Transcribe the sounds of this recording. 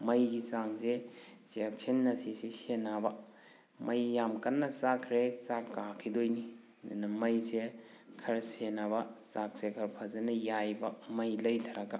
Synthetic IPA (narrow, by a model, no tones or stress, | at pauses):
mɐjɡisaŋsesek̚sʰenːɐsisisenabɐ | mʔɐjːamkɐnːɐsakʰɾesakːakʰidojni | nɐmɐjse | kʰɐɾsenabɐsak̚sekʰɐɾpʰazenɐjajbɐmɐjlɐjtʰɐɾɐɡɐ